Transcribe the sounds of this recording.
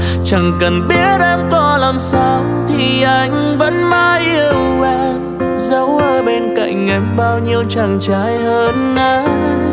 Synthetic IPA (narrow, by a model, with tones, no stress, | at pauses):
t͡ɕa˨˩ŋkə˨˩nɓi˦˥ət̚ʔɛ˧mkɔ˧˦la˨˩msa˧wt̪ʰi˨˩ʔa˧˩˧jŋ̟ | və̰˧˥nmaː˧jʔi˧əwvɛ˧ | zə˨˦wʔəː˧˩ɓe˧nka̰˧˨jŋ̟ʔɛ˧˩jmɓaː˧wɲi˧əwt͡ɕa˧˩ŋt͡ɕaː˨˦jhəː˧nːaː˨˦